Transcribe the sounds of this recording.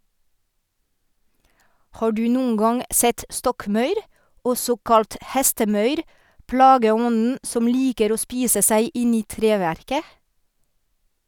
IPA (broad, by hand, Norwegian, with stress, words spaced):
ˈhɑː ˈɖʉː ˈnuːn̩ ˈɡɑŋ ˈsɛt ˈstɔkˌmɑʉɾ ˈɔsɔ ˈkɑlt ˈhɛstəˌmœʏɾ ˈpɽɑːɡəˌɔnn̩ ˈsɔm ˈliːkəɾ ˈoː ˈspiːsə ˈsæɪ ˈɪn ˈiː ˈtɾeːʋæɾkə